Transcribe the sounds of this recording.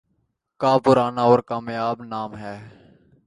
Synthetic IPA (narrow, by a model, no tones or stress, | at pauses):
kaːpʊɾaːnaːɔːɾkaːmjaːbnaːmɦɛː